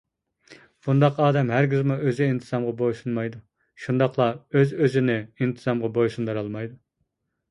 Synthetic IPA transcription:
b̥und̪ɑqɑːd̪ɛmɦæɾɡʲizmuʔøzɪint̪ʰɨz̥ɑmʁɑbojsunmɑjd̪u | ʃund̪ɑqlˠɑøzøzɪnɪint̪ʰɨzɑmʁɑbojsund̪ɨɾɑlˠmɑjd̪u

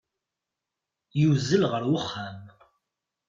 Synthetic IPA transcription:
juwzːəlʁəɾwʊχːæm

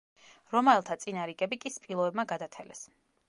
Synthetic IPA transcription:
ɾɔmaɛlˠt̪ʰat̪sʼinaɾikʼɛbikʼispʼilˠɔɛbmaɡad̪at̪ʰɛlɛ̰s

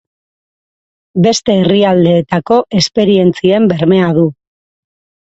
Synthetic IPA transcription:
be̞st̪e̞ːriald̪e̞ːt̪ako̞ʔe̞spe̞ɾie̞nt͡sie̞mbe̞ɾme̞að̞u

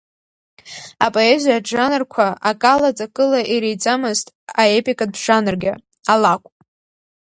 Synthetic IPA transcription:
apʼo̞ezaad͡ʒanɨrkʷʰaakʼalat͡sʼakʼɨlaʔiɾejt͡sʼamɨztʼaepʼikʼad̚bʂanɨrɡʲa | alakʷʼ

